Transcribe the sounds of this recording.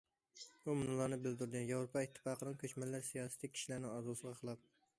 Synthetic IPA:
umunɨlˠɑɾnɨbɪld̪uɾd̪ɪjɑwɾopʰɑit̪ʰːɨ̥fɑːqʰənɨŋkʲʰøt͡ʃmɛlːæɾsijɑːsɨ̥t̪ʰɪkʲʰi̥ʃilæɾnɪŋɑzulˠsəʁɑqʰəlˠɑp̚

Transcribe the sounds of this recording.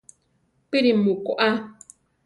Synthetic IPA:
piɾimukoʔa

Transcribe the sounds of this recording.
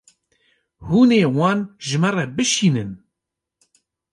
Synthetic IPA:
huːneːwɑːnʒɪmɛrɛbɨʃiːnɨn

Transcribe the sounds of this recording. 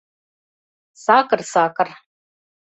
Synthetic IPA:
saːkɨrsaːkʰʼɨr

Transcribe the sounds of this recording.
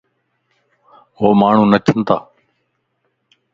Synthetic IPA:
ɦoːmaːɳ̤ũːnət͡ʃʰənt̪a̰ː

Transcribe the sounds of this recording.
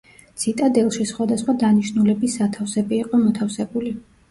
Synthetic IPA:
t̪sʰit̪ʼad̪ɛlˠʃisχwad̪asχwad̪aniʃnulɛbisːat̪ʰafsɛbiːqʼɔmɔt̪ʰafsɛbuli

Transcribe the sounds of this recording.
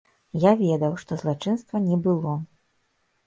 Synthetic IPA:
javʲɛd̪ɐwʂt̪ɔzlˠat͡ʂɨnst̪vɐnʲɛbɨlˠɔ

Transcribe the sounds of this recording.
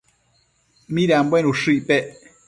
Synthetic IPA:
mĩɾeamboenũʂɨipeʔ

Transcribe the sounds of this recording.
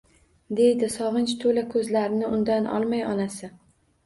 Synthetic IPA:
d̪e̞jd̪ɪsɒʁɨnt͡ʃt̪ʰolakʰɵzlaɾɪnɪʊnd̪anʔɒ̰lˠmajɒnasɪ

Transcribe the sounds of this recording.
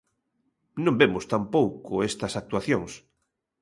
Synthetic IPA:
nõmbemʊst̪ampowkʊest̪ɐsak̚t̪waθjoŋs

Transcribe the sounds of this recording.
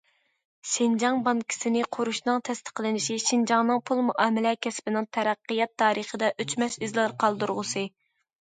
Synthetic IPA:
ʃɪnd͡ʒɑŋbɑnkʲʰi̥sɪnɪqʰoɾuʃnɨŋt̪ʰɛst̪ʰə̥qlɪnɪʃiʃind͡ʒɑŋnɨŋpʰulˠmuʔɑːmɪlɛkʲʰɛspɪnɪŋt̪ʰɛɾæqːijɛt̪ʰːɑːɾəχəd̪ɛʔøt͡ʃmɛʃizlɑɾqʰɑlˠd̪uɾʁəsɨ

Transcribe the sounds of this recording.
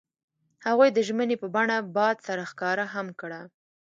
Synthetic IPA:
haɣujd̪əʒmənepəbaɳabɑd̪saɾaxkɑɾaɦamkɽa

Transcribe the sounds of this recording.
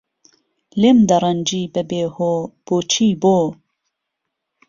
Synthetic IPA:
lemd̪ɐɾˤɐnd͡ʒiːbɛbeːhoːb̥oːt͡ʃʰiːboː

